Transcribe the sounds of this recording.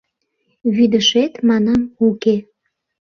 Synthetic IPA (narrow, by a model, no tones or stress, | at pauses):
βyd̪əʃet̪mɑnɑmuke